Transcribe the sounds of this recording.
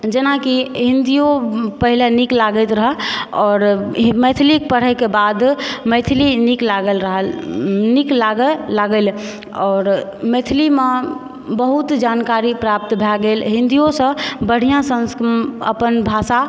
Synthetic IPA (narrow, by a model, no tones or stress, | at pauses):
d͡ʒenakiɦind̪ijopəɦileniklaɡɛt̪ɾəɦəɔːɾmɛt̪ʰilik̚pəɽ̤ɛkebad̪mɛt̪ʰiliniklaɡəlɾəɦəniklaɡəːaɡəl | ɔːɾmɛt̪ʰilime | bəɦut̪d͡ʒankaɾipɾap̚t̪bʱɛɡelɦĩnd̪ijosə̃bəɽ̤ijãsə̃skə̰pənbʱasa